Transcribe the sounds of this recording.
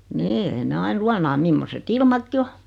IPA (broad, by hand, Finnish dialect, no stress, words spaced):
niː ei ne ɑin luɑnɑː mimːoset ilmɑkːi o